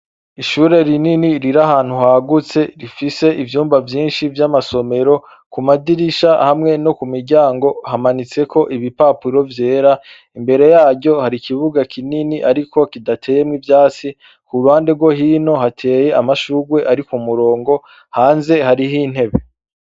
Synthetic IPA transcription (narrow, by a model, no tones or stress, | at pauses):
iʃuɾe̞ɾininiɾiɾaɦaːn̥huhaɡut͡se̞ɾifise̞ʔivjuːmvavjiːnʃivjamaso̞me̞ɾo̞ | kumadiɾiʃahamŋe̞no̞kumiɾɟaːŋɡo̞hamanit͡se̞kʰo̞ʔiβipapuɾo̞vje̞ːɾa | imbe̞ɾe̞jaːɟo̞haɾikʰiβuɡakʰininiʔaɾikʰo̞kidatʰe̞ːje̞mŋivjaːt͡si | kuɾuhaːnde̞ɾɡwo̞ɦiːno̞ɦatʰe̞ːje̞amaʃuːɡwe̞ʔaɾikumuɾo̞ːŋɡo̞ | haːnze̞haɾiɦin̥he̞βe̞